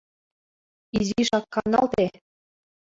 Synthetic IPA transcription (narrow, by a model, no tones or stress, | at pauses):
iziʃɑkːɑnɑlt̪e